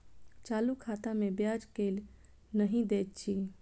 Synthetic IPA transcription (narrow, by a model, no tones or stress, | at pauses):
t͡ʃalukʰat̪amebjad͡ʒkel | nəɦĩd̪et̪̚t͡ʃʰi